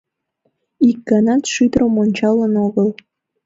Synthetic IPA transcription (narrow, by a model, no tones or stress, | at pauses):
ik̚ɡɑnɑt̪ʃyd̪ɾomonʲt͡ɕɑlənoɣəlˠ